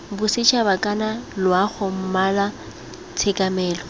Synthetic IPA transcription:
bʊsɪt͡ʃʰabakʼanalʊaχʊm̩mala | t͡sʰekʼamɛːlɔ

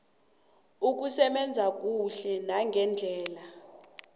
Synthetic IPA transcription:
uk̬usɛɓɛnd͡zʱak̬ʼuɬɛnaŋɡʱɛnd͡ɮʱɛːla

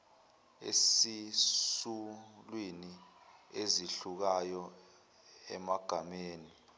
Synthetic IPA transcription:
ḛsisulwinieziɬuk̬ajɔ | ɛ̰maɡ̥ʱameːni

